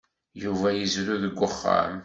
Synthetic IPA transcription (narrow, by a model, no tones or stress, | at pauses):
juvæjəzɾuðəɡʷːəχːa̰m